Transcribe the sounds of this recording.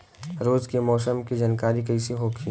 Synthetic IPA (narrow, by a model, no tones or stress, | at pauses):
ɾoːzkemɔːsəmkid͡ʒankaːɾikɐisiɦokʰi